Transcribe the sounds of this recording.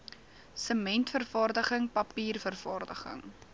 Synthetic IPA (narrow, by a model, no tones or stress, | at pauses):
səmɛntfərfɑːrdəχəŋpɐpiːrfərfɑːrdəχə̰ŋ